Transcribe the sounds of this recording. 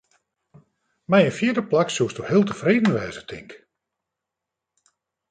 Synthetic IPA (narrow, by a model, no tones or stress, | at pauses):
mɛjənfjiədəplaksuəstuhɪːlˠtəfreːdn̩ʋɛːzətʰɪ̰ŋk